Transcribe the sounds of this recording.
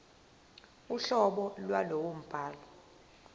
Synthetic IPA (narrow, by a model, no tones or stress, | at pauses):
uɬɔɓɔlwalowom̩b̥ʱaːlɔ